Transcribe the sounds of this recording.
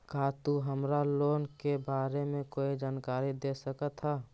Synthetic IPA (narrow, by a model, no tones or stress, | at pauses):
kaːt̪uɦəmɾaloːnkebaːɾemẽkoːid͡ʒaːnkaːɾid̪esəkət̪ɦa